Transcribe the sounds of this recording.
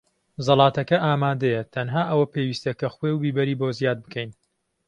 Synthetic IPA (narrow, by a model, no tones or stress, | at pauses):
zɑlˠɑːt̪ɐkɐʔaːmaːd̪ɐjɛt̪ʰɐnɦaːʔɐwɐpeːwiːst̪ɐkʰɐχwewbiːbɐɾiːbozjaːd̪̚bɨkʰɐjn